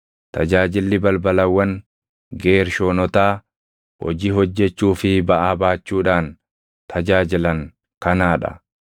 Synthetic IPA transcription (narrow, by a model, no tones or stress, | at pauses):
t̪ɐd͡ʒaːd͡ʒɪlːɪbɐlbɐlɐwːɐŋ | ɡeːɾʃoːnɔt̪aː | hɔ̰d͡ʒiːɦɔd͡ʒːɛt͡ʃːuːfɪbɐʔaːbaːt͡ʃːuːᶑaːn | t̪ʰɐd͡ʒaːd͡ʒɪlɐŋ | kɐnaːᶑɐ̰